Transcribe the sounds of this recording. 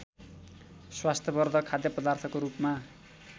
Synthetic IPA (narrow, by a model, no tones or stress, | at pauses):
swast̪ʰjʌbʌrd̪ʱʌkʰad̪jʌpʌd̪art̪ʰʌkoɾupma